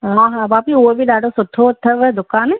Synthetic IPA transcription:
ɦãɦabaːpiobʱiɗaːɖosʊt̪ʰːot̪ʰːəʋɐd̪ʊkaːnẽ

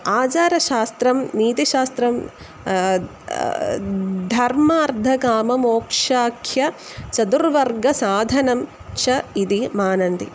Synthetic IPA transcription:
aːt͡ʃaːɾɐʃaːst̪ɾɐmniːt̪iʃaːst̪ɾɐm | d̪ʱɐɾmaːɾd̪ʱɐkaːmɐmoːkʂaːkʰjɐ | t͡ʃɐd̪uɾʋɐɾɡɐsaːd̪ʱɐnɐm | t͡ʃʰɐid̪imaːnɐnd̪ḭ

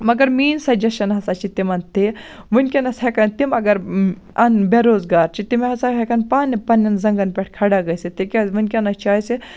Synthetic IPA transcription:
mɐɡɐɾmiːnsɐd͡ʒɐʃɐnɦɐsat͡ʃʰit̪imɐnt̪i | munʲkʲɐnɐshekɐnt̪imɐɡɐɾ | ɐnbeɾoːzɡaːɾt͡ʃʰit̪imeɦɐsaɦekɐnpaːnʲːipɐnːɐnzɐŋɡɐnpʲeʈʰkʰɐɽaɡɐjsit̪ikʲeʋunʲkʲɐnɐt͡ʃaːjsi

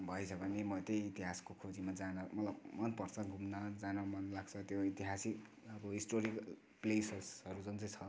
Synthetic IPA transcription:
bʱʌet͡sʰʌbʱʌnemʌt̪ejit̪iɦaskokʰod͡zimad͡zanʌmʌt̪labmʌnpʌrt͡sʰʌɡʱumnʌd͡zanʌmʌnlaɡt͡sʰʌt̪joit̪iɦasik | ʌbʌɦisʈoɾikʌ | plesesʌɾud͡zʌnt͡sʌjt͡sʰʌ

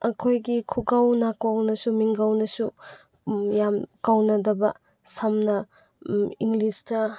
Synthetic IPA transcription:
ɐkʰojɡikʰuɡawnakawnɐsumiŋɡawnɐsu | jamkawnɐdɐbɐ̰ | samnɐ | iŋlistɐ

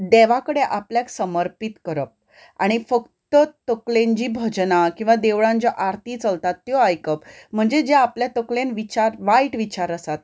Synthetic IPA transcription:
d̪eʋakəɽeʔapljaksəməɾpit̪kəɾəp̚ | a̰ɽ̃ifəkt̪ət̪əklẽɲt͡ɕiːbʱəd͡ʑnakĩw̃ʋad̪eʋɭãɲt͡ɕɔʔaɾt̪iːt͡səlt̪at̪ːjɔajkəpm̤əɳd͡zed͡ʑeapljat̪əklenʋit͡ɕaɾʋaiʈʋit͡ɕaɾəsat̪̚

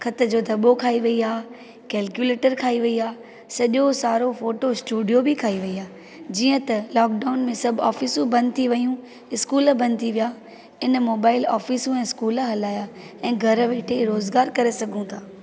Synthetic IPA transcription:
kʰɐt̪ə̆d͡ʑoːd̪ʱɐɓokʰaːiʋɐiaː | kɛːlkjuleːʈəɾkʰaːiʋɐiaː | sɐʄosaːɾofoːʈoɪsʈuːɖijobikʰaːiʋɐiaː | d͡ʑiːə̃t̪ɐlɔːk̚ɖaːʊnmẽsɐbʱaːfiːsũbɐ̃nd̪̚t̪ʰiʋɐjũ | ɪskuːləbɐ̃nd̪̚t̪ʰiʋijaː | ɪnmoːbaːɪlaːfiːsũɛ̃ːskuːləɦɐlaːja | ɛ̃ːɡʱɐɾəʋeːʈʰeɾoːzɡaːɾkɐɾesɐɡʱũt̪ʰaː

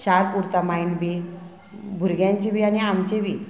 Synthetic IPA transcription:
ɕaɾpuɾt̪amainbi | bʱuɾɡjãɲt͡ɕiʋiañiamt͡ɕeʋi

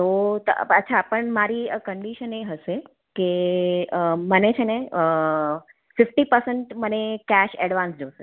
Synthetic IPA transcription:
t̪ot̪ə̰ətːʃʰapəɳmaɾikəɳɖiʃəneɦəʃe | keəmənet͡ʃʰeneə | fɪfʈipəɾsəɳʈmənekɛʃɛɽʋãnsd͡ʒoʃe

